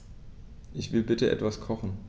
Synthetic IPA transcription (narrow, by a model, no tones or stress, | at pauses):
ʔɪçv̥ɪlbɪtəʔɛ̰tv̥askʰɔχn̩